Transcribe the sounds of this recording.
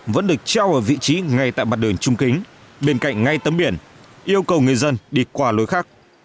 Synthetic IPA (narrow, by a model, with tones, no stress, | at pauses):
və̰˧˥nɗɨ˨˩ək̚t͡ɕaː˧wʔəː˧˩vḭ˧˨t͡ɕi˨˦ŋa˨˩jt̪a̰ː˧˨jma˨˩t̚ɗɨ˨˩əŋt͡ɕʊ˧ŋ͡mkï˨˦ŋ̟ɓe˧nka̰˧˨jŋ̟ŋa˧jt̪ə˨˦mɓi˧˩ənʔi˧əwkə˨˩wŋɨ˨˩əjzə˧nɗi˧˩kwaː˧˩lo˨˦jxaː˦˥k̚